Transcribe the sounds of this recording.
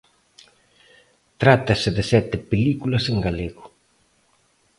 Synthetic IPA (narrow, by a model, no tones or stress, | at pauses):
t̪ɾat̪ɐsɪðɪsɛt̪ɪpelikulɐseŋɡaleɣʊ